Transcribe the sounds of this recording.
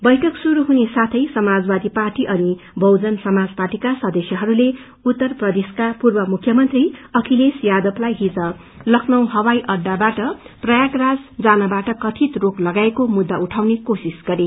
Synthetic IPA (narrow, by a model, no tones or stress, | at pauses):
bʌjʈʰʌksuɾuɦunesat̪ʰʌjsʌmad͡zbad̪iparʈiʔʌni | bʌwd͡zʌnsʌmad͡zparʈikasʌd̪esjʌɦʌɾule | ut̪ːʌrprʌd̪eskapurbʌmukʰjʌmʌnt̪riʌkʰilesjad̪ʌplajɦid͡zʌ | lʌkʰnʌw̃ɦʌwajʔʌɖːabaʈʌprʌjaɡrad͡zd͡zanʌbaʈʌkʌt̪ʰit̪roklʌɡaekomud̪ːauʈʰawnekosisɡ̥ʌɾe